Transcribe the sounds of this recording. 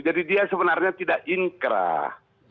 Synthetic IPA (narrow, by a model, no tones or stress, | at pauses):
d͡ʒadidiasəbənarɲat̪idaʔiŋkɾa̰